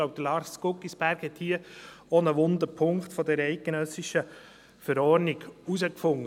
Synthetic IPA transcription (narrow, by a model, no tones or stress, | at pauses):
loʊp̚d̥̪əlɑɾskʊkːisb̥æɾkhɛt̪hiːə | ɔnəʋʊnd̪əpʰʊŋktfɔdɛɾɛɪt̚ɡ̥enœsiʃə | fəɾɔːɾniɡ̥uzəkfʊŋːə